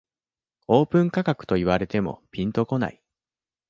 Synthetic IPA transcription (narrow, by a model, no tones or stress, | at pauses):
o̞ːpɯ̟̃ŋkakakɯ̟̥t̪o̞iβ̞aɾe̞t̪e̞mo̞̰pʲĩnt̪o̞ko̞na̰i